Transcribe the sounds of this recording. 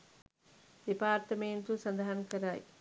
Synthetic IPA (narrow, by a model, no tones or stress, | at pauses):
ʋipaːɾt̪ɐmeːnt̪usɐnd̪ɐɦɐnkɐɾaːj